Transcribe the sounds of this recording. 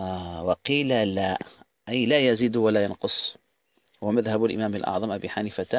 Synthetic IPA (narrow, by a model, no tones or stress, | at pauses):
wɑqiːlala | ʔajlaːjaziːd̪walaːjɑnqʊsˤ | hwamaðhabʊlʔɪ̰maːmalʔɑ̰ʕðˤɑmʔabiːħaniːfat̪